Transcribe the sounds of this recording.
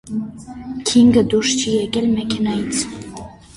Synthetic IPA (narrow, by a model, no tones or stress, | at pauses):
kʰiŋɡəd̪uɾʃt͡ʃʰijɛkɛlmɛkʰɛnɑjit͡sʰ